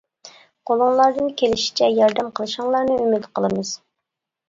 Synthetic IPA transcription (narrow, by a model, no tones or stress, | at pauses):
qʰolˠɨŋlˠɑɾd̪ɨnkʲʰelɪʃi̥t͡ʃʰɛjɑɾd̪ɛmqʰəlˠɨʃɨŋlˠɑɾnɨymid̪qʰəlˠɨmɨz̥